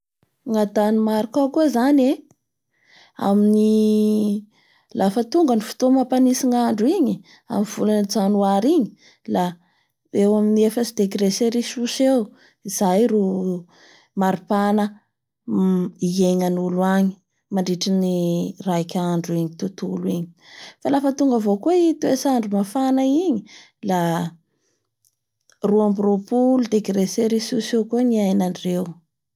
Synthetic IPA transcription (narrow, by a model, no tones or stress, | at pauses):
ŋad̪animaɾukakuəzane | a̰mini | lafət̪uŋɡənifu̥t̪omapanisiŋaɳɖ͡ʐuiɲi | a̰minv̥uland͡zanuaɾiɲi | la | ewaminiefəsid̪ekiɾeseɾiʃuʃew | iz̥ajru | maɾipanə | ieɲanuluaɲi̥ | maɳɖ͡ʐiʈ͡ʂinirajkʲaɳɖ͡ʐuiɲit̪ut̪uluiɲi̥falafət̪uŋɡəvokueit̪uesaɳɖ͡ʐumafanəiɲi | la | ruambiropulud̪ekɾeseɾisusewkuniajnaɳɖ͡ʐew